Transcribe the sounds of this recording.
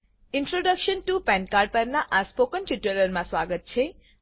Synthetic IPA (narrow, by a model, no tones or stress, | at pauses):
inʈɾoɖʌkʃənʈupɛnkarɖ̚pəɾnaʔaspokənʈiʈələɾmaswaɡət̪̚t͡sʰe